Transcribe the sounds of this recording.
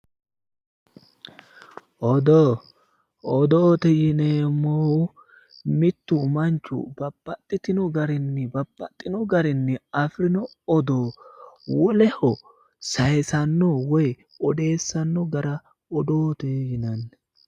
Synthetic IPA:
ʔɔd̪o | ɔd̪oːt̪ɛjɪneːmːɔ | mɪt̪ːʊmɐnt͡ʃːʊ̰bɐbːɐt̪ʼːɪt̪ɪnɔɡɐɾɪnːɪbɐbːɐt̪ʼːɪnɔɡɐɾɪnːɪɐfɾɪnɔ | ɔd̪oːwɔlɛhɔ | sɐjsɐnːɔwɔj | ɔd̪e̞ːsːɐnːɔɡɐɾɐ | ɔd̪oːt̪ɛjɪnɐnːɛ

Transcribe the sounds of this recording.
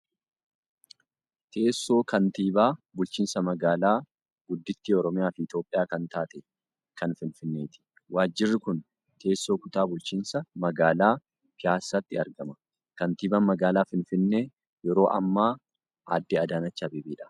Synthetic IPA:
t̪ʰe̞ːsːo̞ːkɐnt̪iːbaːbʊlt͡ʃiːnsɐmɐɡaːlaː | ɡʊd̪ːɪt̪ːiːɔɾɔmɪjaːfɪɪt̪jo̞ːpʼːɪjaːkɐnt̪aːt̪ɛ | kɐnfɪnfɪnːe̞ːt̪ɪ̥ | waːd͡ʒːɪrːɪkʊn | t̪e̞ːsːo̞ːkʊt̪aːbʊlt͡ʃiːnsɐmɐɡaːlaː | kɪaːsːɐt̪ːɪɐɾɡɐmɐ | kɐnt̪iːbɐnmɐɡaːlaːfɪnfɪnːeː | jɛɾo̞ːʔɐ̰mːaː | a̰ːd̪ːɪɐd̪aːnɐt͡ʃːaːbeːbiːᶑɐ̥

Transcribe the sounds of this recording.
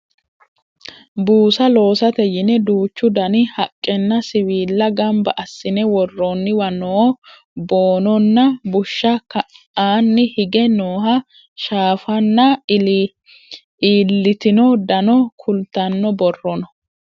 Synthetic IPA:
buːsɐlo̞ːsɐt̪ɛjɪnɛd̪uːt͡ʃːʊd̪ɐnɪhɐkʼːɛnːɐsɪwiːlːɐɡɐmbɐʔɐsːɪnɛwɔrːɔnːɪwɐnoː | boːnɔnːɐbʊʃːɐkɐ | aːnːɪhɪɡɛnoːɦɐ | ʃaːfɐnːɐ | iːlːɪt̪ɪnɔd̪ɐnɔkʰʊlt̪ɐnːɔbɔrːɔnɔ

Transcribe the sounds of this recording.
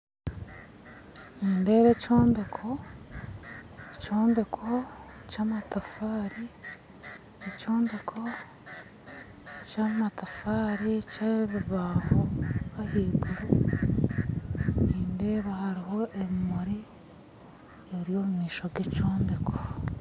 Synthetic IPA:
niːnde̞ːβecoːmbe̞kʰo | coːmbekʰocamatafaːɾi | ecoːmbe̞kʰo̞ | camatafaːɾicaβiβaːhoβahiːɡuɾu | niːnde̞ːβahaɾiɦo̞ʔeβimoɾi | eβɾijoːmumiːʃoɡecoːmbekʰo

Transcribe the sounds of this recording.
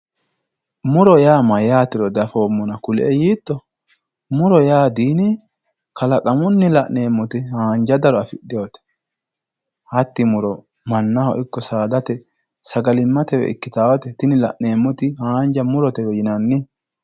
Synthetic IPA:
mʊɾɔjaːmɐjaːt̪ɪɾɔd̪ɐfoːmːɔnɐkʊlʔɛjiːt̪ːɔ | mʊɾɔjaːd̪iːnɪ | kɐlɐkʼɐmʊnːɪlɐʔne̞ːmːɔt̪ɪhaːnd͡ʒɐd̪ɐɾɔɐfɪɗɪjoːt̪ɛ̥ | hɐt̪ːɪmʊɾɔ | mɐnːɐhɔ̰ʔɪkːɔsaːd̪ɐt̪ɛ | sɐɡɐlɪmːɐt̪ɛwɛ̰ɪ̰kːɪt̪aːwɐt̪ɛt̪ɪnɪlɐ̰ʔne̞ːmːɔt̪ɪhaːnd͡ʒɐmʊɾɔt̪ɛwɔjɪnɐnːɪ

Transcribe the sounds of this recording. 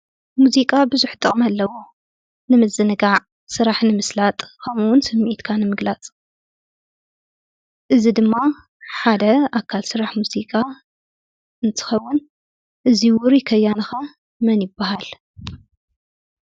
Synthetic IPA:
muzikʼabɨzuħt̪ʼɨχʼmɐlːɐwo | nɨmɐzːɨnɨɡaʕ | sɨɾaħnɨmɨslat̪ʼkʰɐmuwʊnsɨmːʔit̪kʰanɨmɨɡlat͡sʼ | ʔɨzid̪ɨmːa | ħad̪ɐakʰːalsɨɾaħmuzikʼa | ʔɨnt̪ʰɨ̥xɐwːʊn | ʔɨziwʊɾkʰɐjːanɨxɐ | mɐnjɪbːahal

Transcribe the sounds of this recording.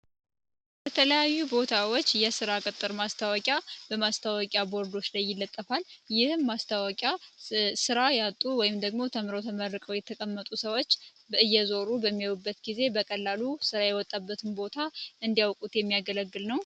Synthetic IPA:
bət̪ʰələjajːubo̞t̪ʰawot͡ʃːjɛsɨɾakʼɨt̪ʼːɨɾmast̪ʰawəkʼjabəmast̪ʰawəkʼjabo̞ɾd̪o̞t͡ʃːlajːɪlːət̪ʼːəfaljɪhmast̪ʰawɔkʼjasɨɾajat̪ʼuwɔjɪmd̪əɡmo̞t̪ʰəmɾəwt̪ʰəməɾːəkʼəwjɛt̪ʰəkʼəmːət̪ʼusəwo̞t͡ʃː | bəɨjːɛzo̞ɾubəmːiowubːət̪ɡize̞bəkʼəlːalusɨɾajɛwɔt̪ʼːabːət̪ʰɨnbo̞t̪ʰaʔɨnd̪ijawkʼut̪jɛmːijaɡələɡːɨlnəw

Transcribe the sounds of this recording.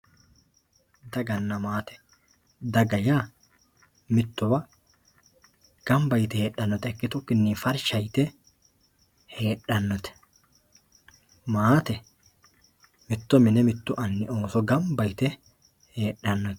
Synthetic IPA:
d̪ɐɡɐnːɐmaːt̪ɛ̥ | d̪ɐɡɐjaː | mɪt̪ːɔwɐ | ɡ̥ɐmbɐjt̪ɛheːɗːɐnːɔt̪ɛɛkːɪt̪ʊkːɪnːiːfɐɾʃɐjt̪ɛ | he̞ːᶑːɐnːɔt̪ɛ̥ | maːt̪ɛ | mɪt̪ːɔmɪnɛmɪt̪ːʊʔɐnːɪo̞ːsɔɡɐmbɐjt̪ɛ | he̞ːɗɐnːɔt̪ɛ̥

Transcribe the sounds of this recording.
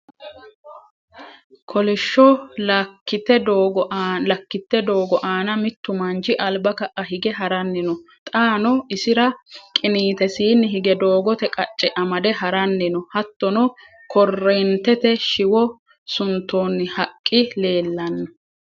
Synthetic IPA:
kʰɔlɪʃːɔlɐkːɪt̪ːɛd̪oːɡɔlɐkːɪt̪ːɛd̪oːɡɔʔaːnɐmɪt̪ːʊmɐnd͡ʒɪʔɐlbɐkɐʔɐhɪɡɛɦɐɾɐnːɪnɔ | t̪ʼaːnɔɪsɪɾɐkʼɪniːt̪ɛsiːnːɪɦɪɡɛd̪o̞ːɡɔt̪ɛkʼɐt͡ʃʼːɛʔɐmɐd̪ɛɦɐɾɐnːɪnɔhɐt̪ːɔnɔ | kʰɔrːɛnt̪ɛt̪ɛʃɪwɔ | sʊnt̪ːoːnːɪhɐkʼːɪle̞ːlːɐnːɐ

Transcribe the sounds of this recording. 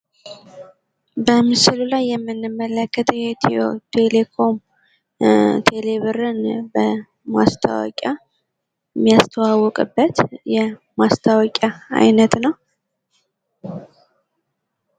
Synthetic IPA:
bəmɨsɨlulajːɛmːɨnːɨmːələkːət̪ʰjɛt̪ʰiot̪ʰe̞le̞kʰo̞m | t̪ʰe̞leβɨɾɨnbə | ma̰st̪ʰa̰wɔ̰kʼa | mːijast̪ʰəwawɔkʼɨbːət̪jɛ | mast̪ʰawɔkʼaa̰jnət̪nəw

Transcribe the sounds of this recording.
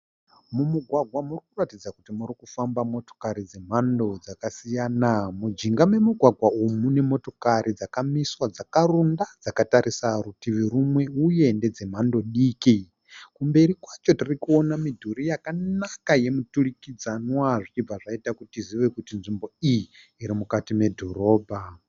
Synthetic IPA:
mumuɡʱwaɡʱwamurikuratid͡zakutimuɾikufambamo̞to̥kaɾid͡ze̞m̤ando̞d͡zakasijaːnamud͡ʒiŋɡame̞muɡʱwaɡʱwaumune̞mo̞to̞kaɾid͡zakamiswad͡zakaɾundad͡zakataɾisaɾutiʋiɾumwe̞uje̞nde̞d͡ze̞m̤ando̞ɗiːki | kumbe̞ɾikwat͡ʃo̞tirikuo̞namidʱuɾijakanakaje̞muturikid͡zanwaʐit͡ʃib͡vaʐaitakutiziʋe̞kutinʐimbo̞ijiː | ɾimukatime̞dʱoɾo̞ːbʱa

